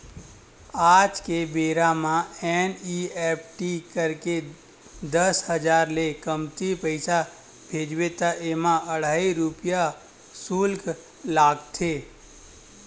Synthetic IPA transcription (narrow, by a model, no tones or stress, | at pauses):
aːd͡ʒkebeːɾamãɛniɛp̚ʰʈikəɾke | d̪əsɦəd͡ʒaːɾlekəmt̪ipəɪsa | bʱed͡ʒwet̪aʔemãəɽ̤aːiɾupija | sulk | laːɡt̪ʰe